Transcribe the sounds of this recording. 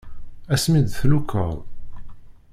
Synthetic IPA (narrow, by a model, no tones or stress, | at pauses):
æsmid̪θlukʰə̰ʁˤ